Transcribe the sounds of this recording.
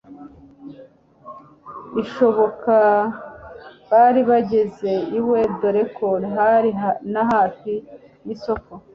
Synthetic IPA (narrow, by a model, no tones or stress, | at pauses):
iʃo̞βo̞ka | βaːɾiβaɟe̞ze̞iwedo̞ɾe̞koɾɦaɾinaɦaːfi | jiso̞ko